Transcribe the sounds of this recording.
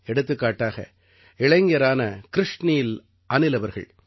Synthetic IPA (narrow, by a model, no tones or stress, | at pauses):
ɛɽɯt̪̬ːɯkːaːʈːaːɣɐ̰ | ɪɭɐŋɡɐɾaːnɐkɪɾɪʂnɪjɪl | ʔɐnɪlɐʋɐɾɣɐ̰ɭ